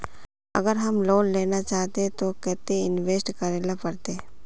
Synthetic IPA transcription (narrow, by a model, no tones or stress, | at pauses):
ɐ̰ɡəɾɦɐmloːnleːnat͡ʃaːɦt̪eẽt̪okɛːt̪eɪnʋeːsʈkɐɾeːlapɐɾt̪e